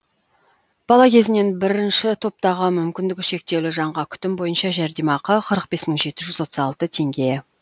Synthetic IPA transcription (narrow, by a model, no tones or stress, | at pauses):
b̥ɑlˠɑkʲʰe̞zɪne̞nbɪɾɪnʃɪt̪ʰo̞p̚t̪ɑʁəmʏmkʲɪnd̪ɪkʲʃe̞k̚t̪e̞wlɪʒɑɴʁɑkʲʰʏ̥t̪ɪmbo̞jənʃɑʒæɾd̪imɑqəqʰəɾəq̚be̞sməɴʒe̞t̪ɪʒʏzwo̞t̪əzɑlˠt̪ət̪ʰe̞ŋɡʲeje